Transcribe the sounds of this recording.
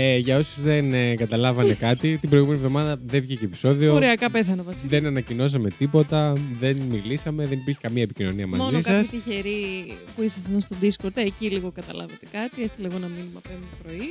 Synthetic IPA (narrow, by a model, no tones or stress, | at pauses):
eʝɐo̞suzðenɡɐt̪ɐlɐvɐnekɐt̪it̪ibɾo̞ijɣume̞nievðo̞mɐðɐðevʝicepi̥so̞ðiooɾeɐkɐpeθɐnɐvɐsiðe̞nɐnɐcino̞s̬ɐme̞t̪ipo̞t̪ɐðe̞nmilisɐme̞ðenipiɾçi̥kɐmiɐepicino̞niɐmɐ̰mzziskɐɐst̪içeɾipuisɐsɐnst̪od̪iskoɾt̪eeciliɣo̞kɐt̪ɐlɐ̰vet̪e̥kɐt̪iest̪elɐiɣo̞nɐminimɐpenpɾo̞i